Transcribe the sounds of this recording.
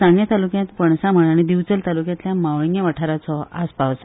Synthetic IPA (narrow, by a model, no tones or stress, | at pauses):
ãŋɡjat̪alukjãt̪pəɳsãm̤əɽaɽ̃id̪iʋt͡səlt̪alukjãt̪ljamaʋɭiŋɡjeʋəʈʰaɾat͡sɔa̰spaʋsa